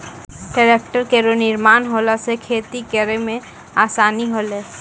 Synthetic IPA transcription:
ɖəɾeːk̚ʈəɾkeɾonɪɾmaːnɦoːlasekʰeːt̪ikəɾemẽ | aːsaːniɦoːleː

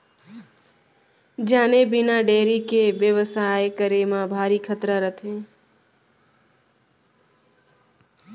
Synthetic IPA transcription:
d͡ʒaːnebɪnaɖeːɾikeʋjəʋəsajkəɾemãbʱaːɾikʰət̪ɾəɾət̪ʰẽː

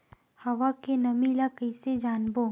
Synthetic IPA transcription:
hɐʋakenɐmilakɐɪsed͡ʒaːnboː

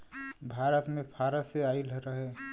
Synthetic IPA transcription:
bʱaɾət̪mepʰaɾəseailɾəɦe

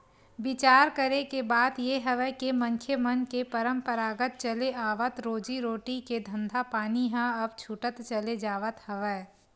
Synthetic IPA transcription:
bɪt͡ʃaːɾkəɾekebaːd̪jeɦɐʋɛkemɐ̃ŋkʰjemɐnkepɐɾə̃mpəɾaːɡət̪̚t͡ʃɐleaːʋət̪ɾoːd͡ʒiɾoːʈiked̪ʱə̃nd̪ʱapaːniɦãɐb̚t͡ʃʰuʈət̪t͡ʃɐled͡ʒaːʋət̪hɐʋə

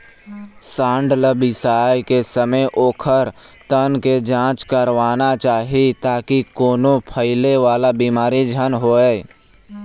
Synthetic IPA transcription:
sãːɳɖləbɪsaːjkesəməjʔoːkʰəɾ | t̪ənked͡ʒãːt͡ʃkəɾʋaːnat͡ʃaːɦit̪aːkikoːnõpʰəɪleʋaːlabiːmaːɾid͡ʒʱənɦoːeː

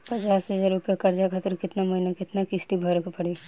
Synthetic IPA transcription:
pɐt͡ʃaːsɦɐd͡ʒaːɾʊpjakɐɾd͡ʒakʰaːt̪ɪɾkɪt̪namɐɦinakɪt̪nakɪsʈibʱɐɾkpɐɽi

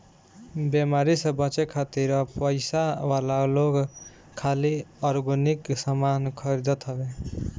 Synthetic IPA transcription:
bjemaɾisʌbʌt͡ʃekʰat̪iɾʌpʌjsawalaloɡ | kʰːaliʌɾɡuniksʌmankʰʌɾid̪ʌt̪ʰʌbe

